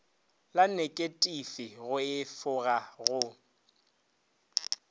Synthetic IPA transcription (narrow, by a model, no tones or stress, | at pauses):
lanekʼetʼifɪɣʊɪfʊɣaɣʊ